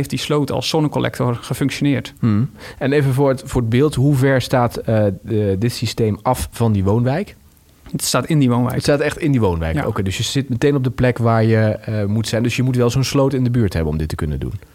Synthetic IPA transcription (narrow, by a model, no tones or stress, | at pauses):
ejftdislowtɑ̰lˠsːɔnəkolɛ̰k̚tɔɹχəfɵŋkʃonɪːɹt̩ɛnejvəvʊːɹətfʊːɹəd̚bɪːlˠtɦuvɛɹstaːtədɪtsistejmʔɑfvɑndiʋownʋɛjk | staːtɪndiʋownʋɛ̰jtstaːtɛχtɪndiʋownʋɛ̰jko̰wkejdɵsjəz̥ɪtmətejnɔb̚dəplɛkʋaːɹjəəmutsɛjndɵsjəmutʋɛlˠzonslowtɪndəbyːɹtɦɛbənɔ̰mdɪtəkɵnə̰ndṵn